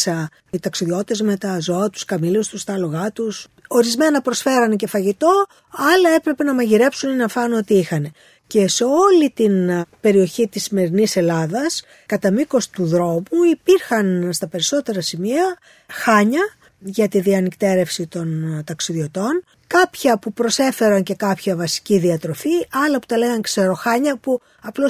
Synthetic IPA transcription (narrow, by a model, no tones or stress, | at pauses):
sɐ | it̪ɐksiðio̞t̪e̞zme̞t̪ɐzo̞ɐt̪u̥skɐmilust̪ust̪ɐlo̞ɣɐt̪us | o̞ɾizme̞nɐpɾo̞sfe̞ɾɐnece̞fɐʝit̪o̞ | ɐlɐe̞pɾe̞pe̞nɐmɐʝiɾe̞psuninɐfɐnuo̞t̪iixɐne̞ | ce̞seo̞lit̪inpe̞ɾio̞çit̪isːime̞ɾinise̞lɐðɐs | kɐt̪ɐmiko̞st̪uðɾo̞muipiɾxɐnst̪ɐpe̞ɾiso̞t̪e̞ɾɐsimiɐ | xɐɲɐ | ʝɐt̪iðiɐnikt̪e̞ɾe̞fsit̪o̞nt̪ɐksiðio̞t̪o̞n | kɐpçɐpupɾo̞se̞fe̞ɾɐnce̞kɐpçɐvɐsi̥ciðiɐt̪ɾo̞fiɐlɐpu̥t̪ɐle̞ɣɐŋkse̞ɾo̞xɐɲɐpu | ɐplo̞